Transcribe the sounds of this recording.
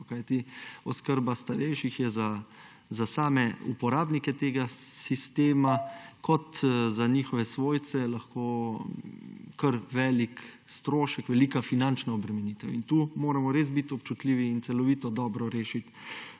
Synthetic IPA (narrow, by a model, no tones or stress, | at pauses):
kajt̪iɔskəɾbast̪aɾɛjʃixjɛza | zasaːmɛṵpɔɾaːbnikɛt̪eːɡasist̪eːmakʰɔt̪zaniːxɔʋɛsʋoːj̪sɛlɐxkoː | kəɾʋɛːlik | st̪ɾoːʃɛkʋɛliːkafinant͡ʃnaɔbɾɛmɛniːt̪ɛwint̪uːmoːɾamɔɾes̬bit̪ɔpt͡ʃut̪liːʋiːnt̪sɛlɔʋiːt̪ɔd̪ɔːbɾɔɾeːʃit̪